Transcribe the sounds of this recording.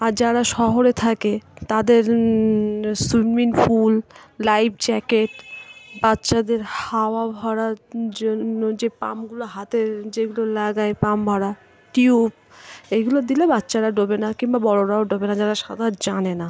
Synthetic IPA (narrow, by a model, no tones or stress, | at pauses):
aɾd͡ʑaɾaʃɔɦoɾet̪ʰaket̪ad̪eɾ | summinfulːajbt͡ɕɛkeʈbatːɕad̪eɾhaoabʱaɽaɾd͡ʑonːod͡ʑepa̰mɡuloɦat̪ed͡ʑeɡulolaɡaepambʱaɽa | ʈiub | eɡulod̪ilebatːɕaɾaɖobenakimbabɔɾoɾaoɖobenad͡ʑaɾaʃad̪ʱad͡ʑanena